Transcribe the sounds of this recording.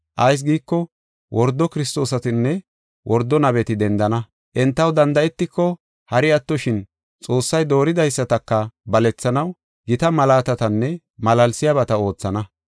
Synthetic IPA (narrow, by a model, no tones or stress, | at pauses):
ʔɐjs̬ɡiːkːɔ | wʔɔɾd̪ːɔkɪɾɪst̪o̞ːs̬ɐt̪ɪnːɛ | wʔɔɾd̪ɔnɐβɛt̪ɪd̪ɛnd̪ɐnɐ | ʔɛnt̪ːɐwd̪ɐnd̪ɐɛt̪ːɪkːɔ | hɐɾɪɐt̪ːɔʃɪn | t͡sʼo̞ːsːɐjd̪o̞ːɾɪd̪ɐjsːɐt̪ɐkːɐbɐlɛt͡sːɐnɐw | ɡɪt̪ɐmɐlaːt̪ɐt̪ɐnːɛ | mɐlɐlsɪjaβɐt̪ɐo̞ːt͡sːɐnɐ